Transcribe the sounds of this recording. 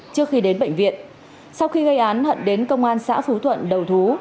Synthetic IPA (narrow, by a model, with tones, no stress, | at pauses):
t͡ɕɨ˧˥əkxi˧ɗe˨˦nɓə̰˧˨jŋ̟vḭ˧˨ən | sa˧wxi˧ɣə˧jʔaː˨˦nhə̰˧˨nɗe˨˦nkə˧wŋ͡mʔaː˧nsa̰ː˧˥fu˨˦t̪ʰwə̰˧˨nɗə˨˩wt̪ʰu˨˦